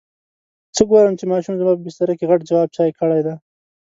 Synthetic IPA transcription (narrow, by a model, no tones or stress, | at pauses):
t͡səɡoɾəmt͡ʃemɑʃumzmɑp̬əbɪst̪aɾakeɣaʈd͡ʒawɑb̚t͡ʃɑjkəɽajd̪a